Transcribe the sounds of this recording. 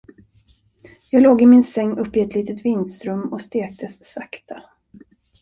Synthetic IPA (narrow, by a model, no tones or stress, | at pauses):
jɑːɡloːɡɪmɪnsɛŋːɵpːɪɛt̪ʰliːt̪ət̪vɪnd̪st̪ɾɵmːɔst̪eːk̚t̪əsːakt̪ʰa